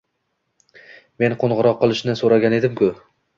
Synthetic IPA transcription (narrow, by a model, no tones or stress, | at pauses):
me̞nqʰoɴʁɨɾɒqʰːɨlˠɪʃnɪsoɾaɡʲane̞d̪ɪmkʰʊ